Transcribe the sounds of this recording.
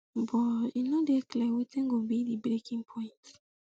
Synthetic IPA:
bɔinodɛklɛwetɛ̃nɡobidibɹekʰĩŋpʰɔ̃ɪ̃nt

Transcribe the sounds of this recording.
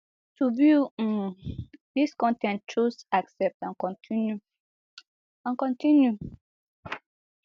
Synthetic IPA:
tubi | diskɔ̃ntɛ̃ntʰɹusaksɛp̚tãnkɔ̃ntʰinju | ãnkɔ̃ntĩnju

